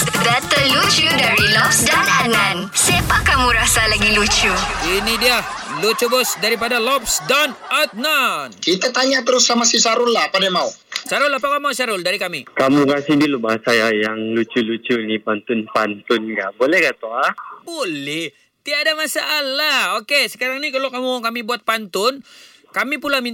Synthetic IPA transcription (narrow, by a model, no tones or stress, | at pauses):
dat̪əlut͡ʃudaɾilɔpsdanat̪nansapakamuɾasalaɡilut͡ʃuinidiahlut͡ʃubʊsdaɾipadalɔp̚sdanat̪̚nankit̪at̪aɲat̪əɾʊsamasisaɾʊnlaapadamausaɾʊlapakamausaɾʊldaɾikamikamukasɪhdulubaɦasajajaŋlut͡ʃulut͡ʃunipant̪ʊnpant̪ʊnɡaʔbolɛhɡat̪oabolɛh | t̪idadamasaːlahokesə̥kaɾaŋnikalokamukamibuat̪̚pant̪ʊn | kamipulami